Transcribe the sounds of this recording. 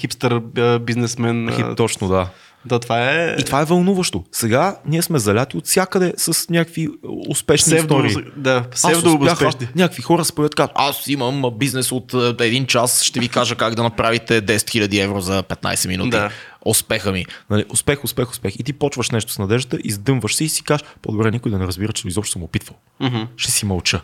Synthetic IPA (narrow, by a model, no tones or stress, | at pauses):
xipst̪əɾbiznɛsmɛnxḭt̪ɔt͡ʃnod̪a | d̪at̪vaɛit̪vaɛvɐlˠnuvəʃt̪osɛɡaniɛsmɛzɐlʲat̪iot̪sʲjakəd̪ɛsəsnʲakəkviʊspɛʃnit̪ɔɾiːd̪asaɛvoxɛnʲakəkvixɔɾəspɾovʲjət̪̚kazasiməmbiznɛsot̪ɛd̪int͡ʃasʃt̪ɛvikaʒəkaɡd̪ɐnɐpɾavit̪ɛd̪ɛsɛ̥t̪xilʲɐd̪iɛvɾozɐpɛt̪na̰jsɛminud̪iʊspɛxəminɐliʔʊspɛxʊspɛxʊspɛxit̪ipɔt͡ʃvəʃnɛʃt̪ʊ̥snɐd̪ɛʒd̪ət̪əʔizd̪ɤmvəʃsɛisi̥kaʃpo̰d̪obɾɛnikʊjd̪ɐnɛɾəzbiɾətt͡ʃɛ̥t̪oizɔpʃt̪smopit̪vəlˠ | ɦ̩ʃt̪ɛsimɐlˠt͡ʃə